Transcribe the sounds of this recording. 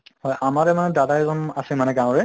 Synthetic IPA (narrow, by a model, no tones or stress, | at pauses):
hɔjamaɹɛmanɛdadaɛzɔmasimanɛɡãwɔ̃ɹɛ